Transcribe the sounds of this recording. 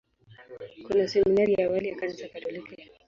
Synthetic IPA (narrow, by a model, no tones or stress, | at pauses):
kunasɛminaɾijaːwalijakanasakatɔlikɛ